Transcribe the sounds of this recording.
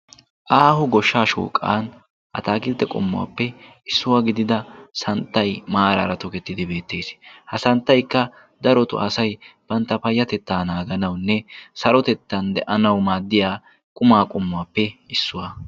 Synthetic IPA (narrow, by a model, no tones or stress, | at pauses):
ʔaːhʊɡɔʃːaːʃṵːkʼːa̰ːn | ʔɐ̰t̪aːɡɪlt̪ːɛkʼʊ̰mːʊwa̰ːpːɛ | ɪsːʊwaːɡɪd̪ɪd̪ɐsɐnt̪ːɐjmaːɾɐɾɐt̪ɔkɛt̪ːɪd̪ɪbe̞ːt̪ːe̞ːshɐsɐnt̪ːɐjkːɐ | d̪ɐɾɔt̪ʊ̰ʔɐsɐjb̥ɐnt̪ːɐpɐjːɐt̪ɛt̪ːaːnaːɡɐnɐwnːɛsɐɾɔt̪ɛt̪ːɐnd̪ɛʔɐnɐwmaːd̪ːɪjaː | kʼʊmaːkʼʊmːʊwaːpːɛɪsːʊwaː